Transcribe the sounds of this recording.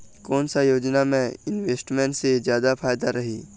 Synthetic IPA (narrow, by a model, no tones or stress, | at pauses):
kɔːnsajoːd͡ʒnamẽɪnʋeːsʈmẽɳʈsezjaːd̪apʰaːjd̪aɾɐɦiː